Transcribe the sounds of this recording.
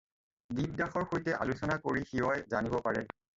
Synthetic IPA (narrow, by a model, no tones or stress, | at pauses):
dib̚daxɔɹxojtɛʔa̰lusɔnakoɹixiwɔjzanibɔpaɹɛ̰